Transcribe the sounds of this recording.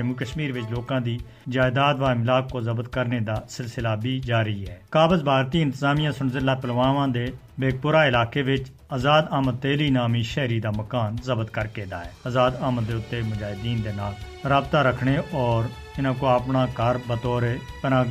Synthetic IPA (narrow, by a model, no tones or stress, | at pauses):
əmuːkəʃmiːɾʋɪt͡ʃloːkãːd̪iː | d͡ʒaːɪd̪aːd̪ʋaːmɪlaːkːoːzəbəd̪kəɾneːd̪aːsɪlsɪlaːbʱiːd͡ʒaːɾəiːɛːkaːbəzbʱaːɾt̪iːɪ̃nt̪əzaːmijãːsʊnzɪlːaːpəlʋaːʋãːd̪eː | beːɡ̚pʊɾaːɪlaːkeːʋɪt͡ʃ | aːzaːd̪aːmət̪ːeːliːnaːmiːʃɛːɾiːd̪aːməkaːnzəbd̪kəɾkeːd̪a̰ːɛːəzaːd̪aːmət̪̚d̪eːʊt̪ːeːmʊd͡ʒaːɦɪd̪iːnd̪eːnaːl | ɾaːbt̪aːɾəkʰɳeːɔːɾ | ɪnãːkoːapɳaːkəɾbət̪ɔːɾeːt̪ənãː